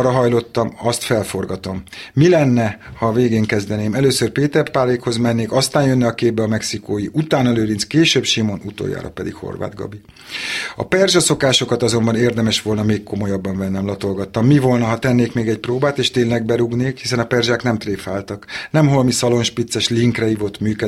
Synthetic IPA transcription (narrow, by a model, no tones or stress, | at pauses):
rɒɦɒjlo̞t̪ːɒmɒst̪fɛlfo̞rɡɒt̪o̞mːilɛnːɛhɒːveːɡeːŋkɛzd̪ɛneːmɛløːsørpeːt̪ɛrpaːleːkho̞zmɛnːeːkɒst̪aːnjønːɛɒkeːb̚bɛɒmɛksikoːjiʔut̪aːnɒløːɾinskeːʃøːbʃimo̞nut̪o̰ːja̰ːɾɒ̰pɛd̪ḭkho̰rʋa̰ːd̪ɡɒ̰bi | ɒ̰pɛrʒɒso̞kaːʃo̞kɒt̪ɒzo̞mbɒneːrd̪ɛmɛʃʋo̞lnɒmeːkko̞mo̞jɒbːɒɱvɛnːɛmlɒt̪o̞lɡɒt̪ːɒmːivo̞lnɒɦɒt̪ɛnːeːkmeːɡɛc̚proːbaːt̪eːʃt̪eːnlɛɡ̚bɛɾuɡneːkhisɛnɒpɛrʒaːknɛmt̪reːfaːlt̪ɒknɛmɦolmisɒlo̞nʃpit̪sːɛʃliŋkrɛivot̪myːkɛ